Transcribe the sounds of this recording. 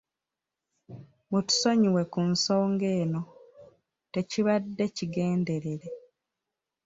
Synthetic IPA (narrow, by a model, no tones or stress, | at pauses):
mutu̥so̞ɲiwe̞kunso̞ːŋɡe̞ːno̞ | te̞ciβadːe̞ciɡe̞ːnde̞ɾe̞ɾe̞